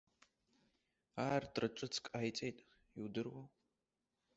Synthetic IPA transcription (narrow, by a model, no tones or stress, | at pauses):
aːrtʰrɨʈ͡ʂʷʼɨt͡sʰkʼaːjt͡sʼejtʼ | iwdɨrwa